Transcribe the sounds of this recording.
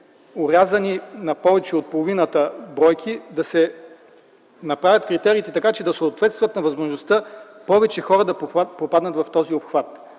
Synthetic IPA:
oɾjazɐninɐpɔvɛt͡ʃɛot̪̚polˠovinət̪əbɾɔjkʰid̪ɐsɛ | nɐpɾavʲjɐt̪kɾit̪ɛɾiːt̪ɛt̪ɐkat͡ʃɛd̪ɐsoot̪vɛt̪st̪vɐt̪nɐvɐzmoʒnost̪əpɔvɛt͡ʃɛxɔɾɐd̪ɐppopad̪nɐt̪vɐft̪ɔziopxvat̪

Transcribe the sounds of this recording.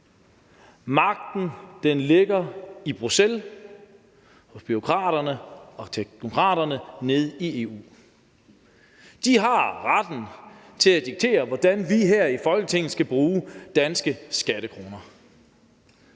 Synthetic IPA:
mɑ̈ɡ̥̚d̥n̩d̥enle̝ɡ̥ɐib̥ʁusel | hɔ̽b̥yʁo̝kʰʁɑ̰̈ːɾ̥ɐnəɒ̽t͡sʰe̥no̝kʰʁɑ̰̈ːɾ̥ɐnəne̝ð̞ˠie̝ːṵː | d̥iɦɑ̈ʁɑd̥n̩ | t͡sʰe̝læd̥iɡ̥̚t͡sʰe̝̰ːɐʋɒd̥ænʋiɦɛɐ̰ifɒ̽lɡ̥ət͡sʰe̝ŋ̰n̩sɡ̥æb̥ʁuːd̥ænsɡ̥əsɡ̥æɾ̥əkʰʁo̝ːnɐ

